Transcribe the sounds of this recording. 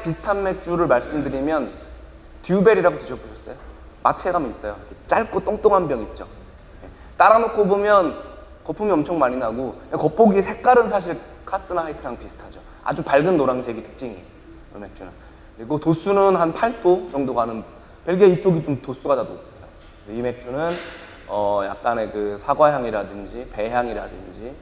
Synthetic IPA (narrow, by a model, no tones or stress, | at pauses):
pisʰɯ̥tʰanme̞k̚t͡ɕ͈uɾɯɭmaɭs͈ɯmdɯɾimjʌn | tiube̞ɾiɾaɡoteɕʰʌboɕʰʌs͈ʌ̰jo | matʰeɡamiis͈ʌjokʰet͡ɕ͈aɭk͈ot͈oŋt͈oŋɦanbjʌŋit̚t͡ɕ͈o̰ | je | t͈aɾanokʰobomjʌn | kʌpʰumiʌmt͡ɕʰʌŋmaɲinaɡoekʌp͈oɡisʰe̞k͈aɾɯns̬ʰaɕ̬ʰiɭ | kʰas͈ɯnahaitʰɯɾaŋpisʰɯ̥tʰad͡ʑo | a̰d͡ʑupaɭɡɯnːoɾaŋsʰe̞ɡitʰɯ̥k̚t͡ɕ͈iŋi | ɯ̰me̞k̚t͡ɕ͈ʰunɯn | kɯɾiɡotos͈unɯnhanpʰaɭt͈ʰot͡ɕʌŋdoɡanɯn | peɭɡeit͡ɕ͈oɡit͡ɕomtos͈uɡadadoːs͈ejo | esʰʌime̞k̚t͡ɕ͈ʰunɯn | ʌja̰k̚k͈ane̞kɯsʰaɡwajaŋiɾadɯnd͡ʑipe̞ɦjaŋiɾa̰dɯ̰nd͡ʑi